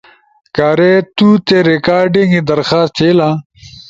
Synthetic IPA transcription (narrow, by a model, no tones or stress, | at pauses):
kaːɾet̪uːt̪eɾikaːɾɖĩŋɡid̪ɐɾxaːst̪ʰeːlã